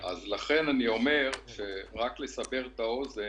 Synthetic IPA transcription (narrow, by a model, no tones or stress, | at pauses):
ʔa̰zlaχe̞nanio̞me̞ʁʃeʁakle̞sabe̞ʁt̪ao̞ze